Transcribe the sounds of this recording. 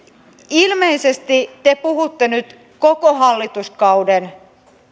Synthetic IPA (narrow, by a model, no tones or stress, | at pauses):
ilme̞ise̞st̪it̪e̞puɦut̪ːenyt̪ | ko̞koɦɑlːit̪uskɑwden